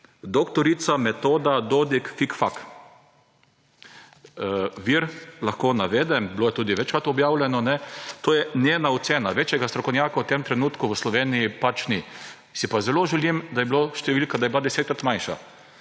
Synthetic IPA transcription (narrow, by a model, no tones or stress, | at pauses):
d̪okt̪ɔɾit̪samɛt̪oːd̪ad̪od̪ikfikfak | ʋiɾlaxkoːnaʋeːd̪ɛmblojɛt̪uːd̪iʋɛt͡ʃkɾat̪ɔbjaːwlʲjɛnɔnɛt̪oːjɛnʲeːnaɔt̪seːnaʋeːt͡ʃjɛɡast̪ɾɔkɔwnʲjaːkawt̪emt̪ɾɛnuːt̪kʊʋəslɔʋeːnijipat͡ʃni | sipazɛloʒɛlimd̪ajɛbloʃt̪ɛʋilkad̪ajɛblad̪ɛseːt̪̚kɾat̪manʃa̰